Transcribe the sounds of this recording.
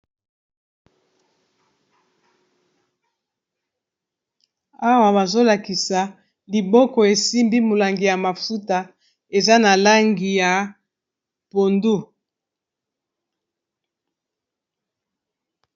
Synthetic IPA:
a˦wa˨ba˨zo˦la˨ki˨sa˨ | li˨bɔ˦kɔ˨e˨si˦mbi˦mo˨la˨ŋɡi˨ja˨ma˨fu˦ta˨ | e˨za˦na˨la˦ŋɡi˨ja˨ | po˨ndu˦

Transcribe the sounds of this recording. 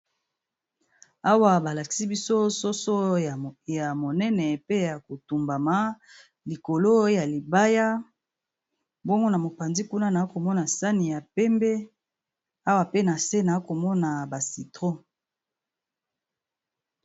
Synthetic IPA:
a˦wa˨ba˨la˨ki̥˨si˦bi˦so˦so˦so˦˨ja˨mo˨nɛ˦nɛ˨pe˦ja˨ko˨tu˨mba˨ma˦ | li˨ko˨lo˦ja˨li˨ba˦ja˦ | bo˦ŋɡo˦na˨mo˨pa˨nzi˦ku˦na˦na˨˦ko˨mɔ˦na˨sa˦ni˨ja˨pɛ˦mbɛ˦ | a˦wa˨pe˦na˨se˦na˨˦ko˨mɔ˦na˨ba˨si˨tʁo˦

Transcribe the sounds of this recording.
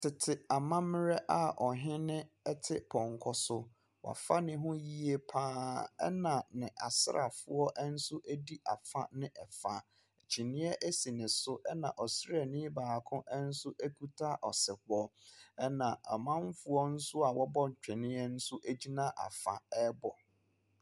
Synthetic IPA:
tʰɪ˨tʰɪ˨a˨mã˦mɪ̃˦ɾɛ˦ʔa˨ɔ˨ɦɪ̃˦nɪ̃˦ | ɛ˦tʰɪ˦pʰɔ̃˨ŋ˨kʰɔ˨sʊ˦ | wʔa̰˨fa˦nɪ̃˦ɦʊ̃˦ji˦e˦pʰãː˦ɛ̰˦nã˨nɪ̃˨ʔa˨sɪ˦ɾa̰˨fʊ˦ɔ˦ʔɛ˦n̩˦sʊ˦ʔæ˦di˦ʔa˨fa̰˦nɪ̃˦ʔɛ˨fa̰˨ | t͡ɕʰi˨nɪ̃˦ɛ˦ʔæ˦si˨nɪ̃˨sʊ˦ʔɛ˦nã˨ʔɔ˨sɾɛ˦˨nɪ̃˦baː˨kʰʊ̃˦ʔɛ˦n̩˦sʊ˦ʔæ˦kʰu˦tʰa˦ʔɔ˨sɪ˨hɔ˦ɛ˦nã˨ɛ˨mã˦m˦fʊ˦ɔ˦n̩˦sʊ˦a˨wɔ˦bɔ˦˨t͡ɕᶣɪ̃˨nɪ̃˦ɛ˦n̩˦sʊ˦ʔæ˦d͡ʑi˦nã˦ʔa̰˨fa̰˨ɛ˦bɔ˨

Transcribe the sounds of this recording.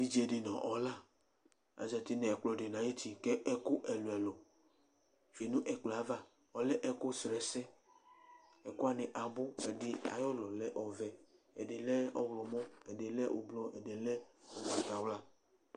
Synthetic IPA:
i˦d͡ʒe˨dɪ˨nɔ̃˨ʔɔ˨la˦ | a̰˨zɛ˨t̪i˦nɛ̃˨k͡plɔ˨dɪ˨nã˨˦ji˦ti˨kɛ˦ʔɛ˦kʊ˦ʔɛ˨lo˨ɛ˨lɔ˨ | fe˨nũ˦ʔɛ˨k͡ple˨a˨˦va˦ | ɔ˨lɛ˦ʔɛ˦kʊ˦sɾɛ˨sɛ˦ | ɛ˨kʊ˦a˨nɪ˨ʔa˨bʊ˦ɛ˨dɪ˨a̰˨jɔ˦lɔ˨lɛ˦ʔɔ˨vɛ˨ | ɛ̰˨dɪ˨lɛ˦ɔ˦wlɔ˨mɔ̃˦ɛ˨de˨lɛ˦ʔo̰˨blɔ˦ʔɛ˨de˨lɛ˦o˨ɡ͡ba˨t̪a˨wla˦

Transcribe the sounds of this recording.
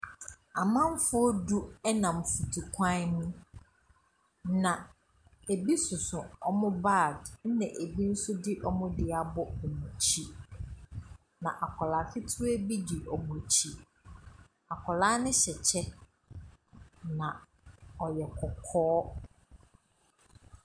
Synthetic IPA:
a˨mã˦m˦fʊ˦ɔ˦du˦ɛ˦nã˨m̩˨fu˨tʰu˨kʰʷã˦nʊ̃˦ | nã˨ | e˨bi˦sʊ˨sʊ̃˨ɔ˦mʊ̃˦baː˦˨d̩˦nɛ̃˨ʔe˨bi˦n̩˦sʊ˦dɪ˦ʔɔ˦mʊ̃˦dɪ˨a˨bɔ˦ɛ˨mũ˨t͡ɕʰi˦ | nã˨ʔa˨kʰɔ˨la˨fɪ˦tʰʊ˦e˦bi˦di˨ʔɔ˨bo˨t͡ɕʰi˨ | a˨kʰɔ˨laː˦nɪ̃˦ɕɛ˨t͡ɕʰɛ˦ | nã˨ | ɔ˨jɛ˨kʰɔ˨kʰɔː˦

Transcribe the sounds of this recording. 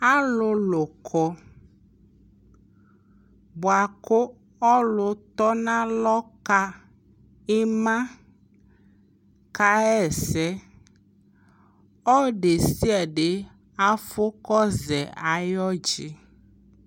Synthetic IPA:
a˦lʊ˨˦lʊ˨kʰɔ˦ | bʊ˨a˨kʊ˦ | ɔ˦lʊ˨t̪ɔ˦nã˦lɔ˦ka˦ | ɪ˦mã˦ | ka˦ɛ˦˨sɛ˦ | ɔ˦ɖe˨si˦ɛ˨ɖɪ˨ | a˦fʊ˦kɔ˦zɛ˨a˨jɔ˦d͡ʒi˦

